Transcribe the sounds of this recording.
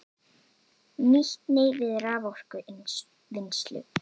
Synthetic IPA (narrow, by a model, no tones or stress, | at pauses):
niht̪neːjvɪðraːvɔr̥kʏ | vɪnst̪lʏ̰